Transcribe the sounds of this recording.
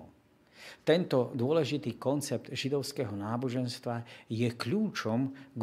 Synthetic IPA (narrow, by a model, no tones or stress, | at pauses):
t̪ɛnt̪ɔd̪ʊɔlɛʒit̪iːkɔnt͡sɛp̚d̪ʒid̪ɔʊskɛːɦɔnaːbɔʒɛnst̪ʋajɛkʎuːt͡ʃɔmɡ